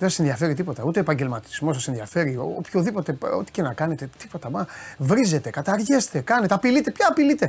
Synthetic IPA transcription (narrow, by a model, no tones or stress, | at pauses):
ðesɐsenðiɐfe̞ɾit̪ipo̞t̪ɐut̪eo̞epɐɲɟe̞lmɐt̪i̥zmo̞s̬ɐse̞nðiɐfe̞ɾio̰opçoðipo̞t̪e̞o̞̰t̪i̥ce̞nɐkɐne̞t̪et̪ipo̞t̪ɐmɐvɾize̞t̪e̞kɐt̪ɐɾʝe̞st̪e̞kɐne̞t̪eɐpilit̪e̞pçɐːpilit̪e̞